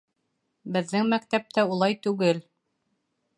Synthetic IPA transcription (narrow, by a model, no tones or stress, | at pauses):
bɘ̆ðːɘŋmækt̪æp̚t̪æulˠɑjt̪ʉɡɘl